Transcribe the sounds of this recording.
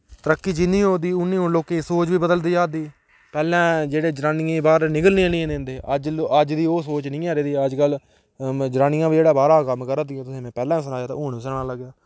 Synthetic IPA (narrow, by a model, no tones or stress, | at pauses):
t̪əɾəkːiːd͡ʒɪnĩːɦoːd̪iːʊnːĩːɦʊɳloːkẽːsoːt͡ʃʋiːbəd̪əld̪iːaːd̪iː | pɛːlɛ̃ːd͡ʒeːɽeːd͡ʒəɾaːnɪẽːbaːɾnɪkəlniãːnĩːnend̪eːʔəd͡ʒəd͡ʒd̪iːoːsoːt͡ʃnĩːaːɾeːd̪iːəd͡ʒkəl | d͡ʒɾaːnijãːbiːd͡ʒeːɽaːbaːɾaːkəmːkəɾəd̪ɪjãːt̪ʊsĩːmɛ̃ːpɛːlɛ̃ːsnaːjaːt̪a̰ːɦʊːɳiːsəɽaːləɡjaː